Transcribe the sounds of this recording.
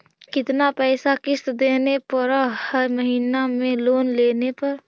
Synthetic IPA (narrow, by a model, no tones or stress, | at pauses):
kɪt̪napɛːsakɪst̪d̪eːnepəɾəhəɾməɦiːnamẽloːnleːnepəɾ